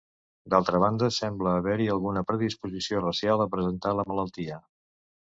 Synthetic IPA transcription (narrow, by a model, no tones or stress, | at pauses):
d̪alˠt̪ɾəβ̞and̪əsɛmbləːβɛɾiəlˠɣunəpɾəðispuzisiorəsjalˠəpɾəzənt̪aləmələlˠt̪iə